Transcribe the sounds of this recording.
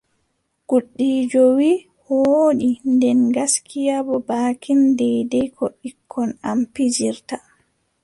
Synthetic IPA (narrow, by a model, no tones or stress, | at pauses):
ɡ̥uɗːiːd͡ʒɔwi | hoːɗindɛnɡaskʰijabɔbaːkʰindɛjdɛjkʰɔɗikʰːɔnampid͡ʒiɾta